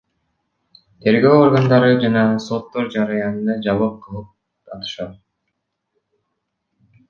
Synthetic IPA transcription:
t̪ʰe̞ɾɡø̞ːorɡand̪ɑɾɯd͡ʒɑnɑso̞t̪ːo̞ɾd͡ʒɑɾɯjɑnɯnd̪ɑd͡ʒɑβˠɯp̚qʰɯlˠɯp̚ | tɑt̪ɯ̥ʃɑt̪̚

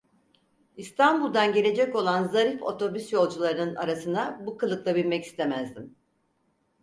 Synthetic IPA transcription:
ist̪ʰanbulˠd̪anɟe̞lʲe̞d͡ʒɛco̞lˠanzaɾifo̞̰t̪ʰo̞bysjo̞lˠd͡ʒulˠaɾɯnɯna̰ɾasɯnd̪abukʰɯlˠɯklˠabilʲmɛci̥st̪ʰe̞mæzd̪im

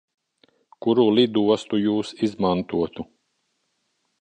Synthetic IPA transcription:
kuɾulˠid̪uɔst̪ujuːsizmant̪uɔt̪u

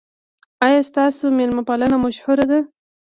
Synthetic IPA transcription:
ɑjɑst̪ɑsomelmapalanamaʃhʊɾad̪a

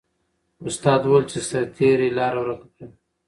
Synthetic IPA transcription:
ʊst̪ɑːd̪welt͡ʃesaɾt̪ʰiɾelɑːɾawɾakd̪al

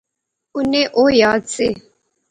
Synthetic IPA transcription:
ʊnẽʔoːjaːd̪seː

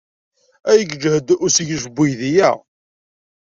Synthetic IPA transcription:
æjəɡd͡ʒhəd̪ʊsiʝəʃəbːijðijæ̰

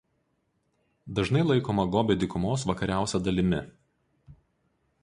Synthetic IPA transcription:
d̪ɐʒnɐɪlˠɐɪkoːmɐɡoːbʲɛd̪ʲɪkʊmoːsʋɐkɐɾʲæˑʊsʲɛd̪ɐlʲɪmʲɪ

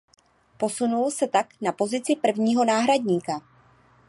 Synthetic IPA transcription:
po̞sunulsɛt̪aknapo̞zɪt͡sɪpr̩vɲiːɦo̞naːɦɾadɲiːka

